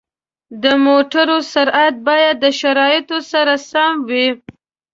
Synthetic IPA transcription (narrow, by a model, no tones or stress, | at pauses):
d̪əmoʈaɾosaɾat̪̚bɑjad̪ːəʃaɾɑjɪt̪osaɾasamwi